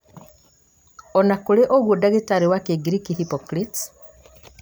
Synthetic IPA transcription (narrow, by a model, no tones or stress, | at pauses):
onakuleʔoɣwodaɣitaɾiwakeɡiɾikihipokɾit